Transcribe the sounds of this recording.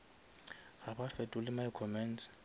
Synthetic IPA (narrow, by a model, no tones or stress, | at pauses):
ɣabafɛtʼʊlɪmaɪkʰɔmɛns